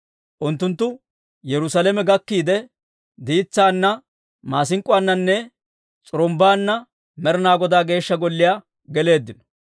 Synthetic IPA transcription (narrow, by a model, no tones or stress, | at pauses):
ʔʊnt̪ːʊnt̪ːʊ | jɛɾʊsalɛmɛɡɐkːiːd̪ɛ | d̪iːt͡sːaːnːɐ | maːs̬ɪŋkʼʊwanːɐnːɛ | t͡sʼʊɾɔmbaːnːɐ | mɛɾnaːɡɔd̪aːɡe̞ːʃːɐɡɔlːɪjaː | ɡɛle̞ːd̪ːɪnɔ̥